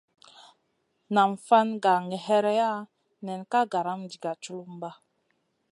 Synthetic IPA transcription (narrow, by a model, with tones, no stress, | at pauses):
na˨mfa˦nɡa˨ŋɛ˨ɦɛ˦ɾɛ˦ja˦ | nɛ˨nka˦ɡa˨ɾa˦md͡ʒi˨ɡa˨t͡ʃu˦lu˦m˦ba˦